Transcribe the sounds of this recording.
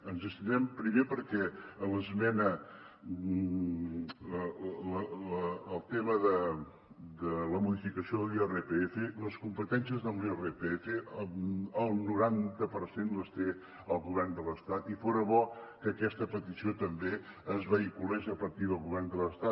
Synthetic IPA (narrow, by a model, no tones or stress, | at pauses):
ənzəst̪inɛmpɾimepəɾkɛələzmɛnə | ələəːlˠt̪eməðə | d̪ələmuðifikəsioðəlˠiɛrepeefeləskumpət̪ɛnsiəzðəlˠiɛrepeefe | əlˠnuɾant̪əpəɾsenləst̪e | əlˠɣuβɛrnd̪ələst̪at̪ifoɾəβɔkəːkɛst̪əpət̪isiot̪əmbe | əzβəikulɛʃəpəɾt̪iðəlˠɣuβɛrnd̪ələst̪at̪